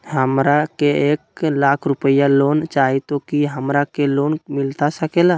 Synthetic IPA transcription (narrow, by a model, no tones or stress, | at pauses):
həmɾakeeklakʰɾupəjalont͡ʃaɦit̪okiɦəmɾakelonmilt̪asəkela